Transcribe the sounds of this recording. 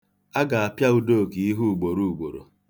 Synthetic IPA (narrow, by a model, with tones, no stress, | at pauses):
a˦ɡa˨a˨pja˦u˦do˦˨ki˨i˦ɦu˦u˨ɡ͡bo˨ɾu˨u˨ɡ͡bo˨ɾo̰˨